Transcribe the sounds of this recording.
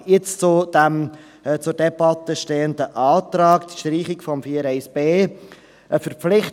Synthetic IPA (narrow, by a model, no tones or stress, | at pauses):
jɪt͡st͡sʊd̥̪æm | t͡sʊɾd̥ɛbɑt̪əʃteːənd̪əʔɑːt̪ɾɑːkt̪ʃtɾiːχɪkfɔmfiːəɾɛɪsb̥eː | ʔəfəɾpflɪχt